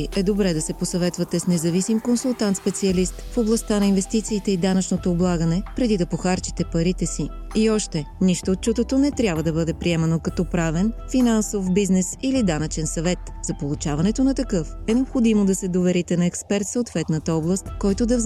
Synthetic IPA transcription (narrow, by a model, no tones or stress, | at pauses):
iʔɛd̪obɾɛd̪ɐsɛposɐvɛt̪vɐt̪ɛsnɛzɐvisimkonsulˠt̪ant̪spɛt̪siɐlist̪foblˠɐst̪anɐinvɛst̪it̪siːt̪ɛid̪anɐt͡ʃnot̪oːblˠaɡənɛpɾɛd̪id̪ɐpoxaɾt͡ʃi̥t̪ɛpɐɾit̪ɛsi | iɔʃt̪ɛniʃt̪oːt̪̚t͡ʃut̪ot̪onɛt̪ɾʲjabvɐd̪ɐbɤd̪ɛpɾiɛmɐnokɐt̪ɔpɾavɛnfinansofbiznɛsilid̪anɐt͡ʃɛnsɐvɛt̪ | z̥ɐpolˠut͡ʃavɐnɛt̪onɐt̪ɐkɤf | ɛnɛopxod̪imod̪ɐsɛd̪ovɛɾit̪ɛnɐɛkspɛɾt̪soot̪vɛt̪nət̪əɔblˠɐst̪kɔjt̪od̪ɐvz